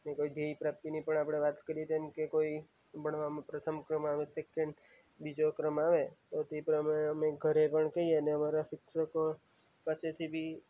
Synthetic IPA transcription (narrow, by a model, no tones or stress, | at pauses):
nekoid̪ʱeipɾap̚t̪inipəɳapɽ̃eʋat̪kəɾijet̪emkekoi | bʱəɳ̃ʋamãpɾət̪ʰəmkɾəmaʋesekẽɳɖ | bid͡ʒokɾəmaʋet̪ot̪epɾəmaɽ̃eəmeɡʱəɾepəɳkəɦieəneəmaɾasɪkʃəko | paset̪ʰibʱi